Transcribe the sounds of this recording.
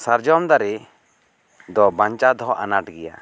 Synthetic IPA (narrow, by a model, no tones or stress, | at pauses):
saɾd͡ʒɔmd̪aɾi | d̪ɔbaɲt͡ʃad̪ɔʔa̰naʈɡɛja̰